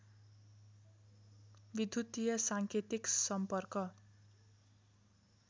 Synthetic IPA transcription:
bid̪ʱut̪ijʌsaŋkʰet̪iksʌmpʌrkʌ

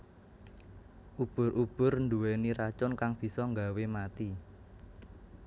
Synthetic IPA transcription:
ʔub̥ʊ̤rʔub̥ʊ̤rnd̪uweniɾat͡ʃʊnkaŋb̥i̤sɔŋɡawemat̪i

